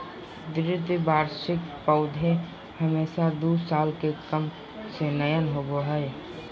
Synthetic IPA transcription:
d̪ɾɪt̪baːɾʃɪkpəʊd̪ʱẽ | həmeːsad̪uːsaːlkekəm | senəjənɦoɡoɦɛe

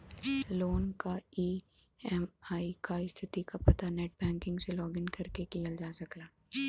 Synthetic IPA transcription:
loːnkaiː | ɛmaːikaɪst̪ʰɪt̪ikapɐt̪anɛːʈbɛ̃ːŋkɪ̃ŋɡselɔːɡɪnkɐɾkekijəld͡ʒaːsɐklaː

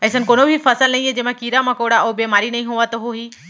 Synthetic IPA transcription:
ɛːsənkoːnobʱifɐsəlnɐɦĩɦɛ̃d͡ʑẽːmãkiːɾamãkoːɽaʔoːbeːmaːɾinɐɦĩɦoʋat̪oɦoɦiː

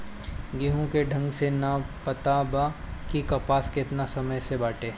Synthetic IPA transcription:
ɡiɦõkeɖʱɐ̃ŋɡsenɐpɐt̪aba | kikɐpaːskeɪt̪nasɐməjsebaːʈeː

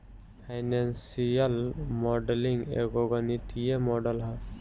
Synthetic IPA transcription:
pʰajnansijʌlmɔɖeliŋɡḛɡɔɡʌniʈijemɔɖʌlɦʌ

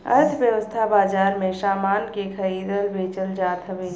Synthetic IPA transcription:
ɐ̰ɾt̪ʰʋjəʋəst̪ʰabaːd͡ʒaːɾmẽʃaːmaːnkekʰɐɾiːd̪əlbʱeːt͡ʃəld͡ʒaːt̪ɦɐʋeː

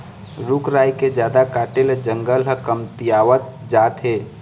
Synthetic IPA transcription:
ɾukɾaːiked͡ʒjaːd̪akaːʈeld͡ʒəŋɡəlɦəkəmt̪ijaːʋət̪̚d͡ʒaːt̪ɦeː

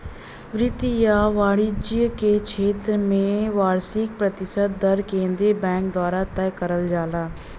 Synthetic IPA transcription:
ʋɾɪt̪ijaːʋaːɽɪd͡ʒijəkeːt͡ʃʰeːt̪ɾmẽːʋaːɾsɪk̚pɾət̪ɪsəd̪̚ːəɾkẽːnd̪ɾiːbɛ̃ːŋk̚d̪owaːɾaːt̪ɛːkəɾəld͡ʒaːlaː

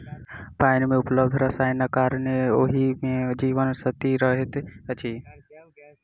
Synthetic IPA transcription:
paɪnmeupləbd̪ʱɾəsajnakaɾneoɦimed͡ʒiʋənsət̪iɾəɦet̪ət͡ʃʰi

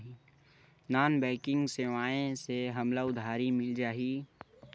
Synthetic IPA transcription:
ɦi | naːnbɛ̃ːkɪ̃ŋɡseʋaːẽseɦɐmlaʊd̪ʱaːɾimɪld͡ʒaːɦiː

